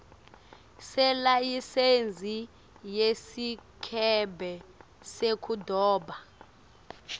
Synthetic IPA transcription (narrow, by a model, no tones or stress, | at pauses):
sɛlajisend͡zʱi | jesikʰɛbʱɛ | sekʰudʱɔːba